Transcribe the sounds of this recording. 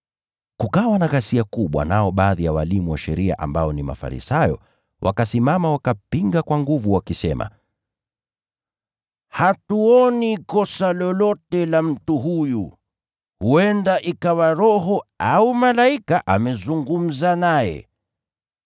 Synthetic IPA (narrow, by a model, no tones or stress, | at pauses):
kukawanaɣasiakuɓwa̰naɔɓaːðijawalimuwaʃɛɾia̰ʔa̰mbaɔnima̰fa̰ɾḭsajɔ̰ | wʔa̰kasimamawakapiŋɡakwaŋɡuvuwakisɛma̰ | hatuɔnikɔsalɔlɔtɛlam̩tuɦuju | huɛndaʔikawaɾɔɦɔaumalaikaʔamɛzuŋɡum̩zanajɛ̰